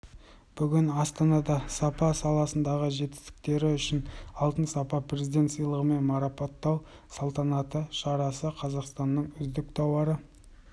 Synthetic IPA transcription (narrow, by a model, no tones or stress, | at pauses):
b̥ʏɡʲɪnɑst̪ɑnɑd̪ɑsɑpɑsɑlˠɑsənd̪ɑʁəʒe̞t̪ɪ̥st̪ɪ̥k̚t̪e̞ɾɪʏʃɪnɑlˠt̪ənsɑpɑpʰrʲe̞zid̪e̞nt̪sijlˠəʁəme̞nmɑɾɑpɑt̪ːɑw | sɑlˠt̪ɑnɑt̪əʃɑɾɑsəqʰɑzɑqst̪ɑnːəɴʏzd̪ɪk̚t̪ʰɑwɑɾə